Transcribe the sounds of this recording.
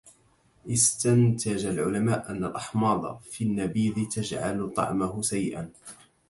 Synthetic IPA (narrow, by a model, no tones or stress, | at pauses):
ʔɪst̪ant̪ad͡ʒalʕʊlamaːʔʔanːalʔɑħmɑːd̪ˤɑ̰finːabiːd̪ɪt̪ad͡ʒʕa̰lt̪ˤɑ̰ʕmahʊʃajʔa̰n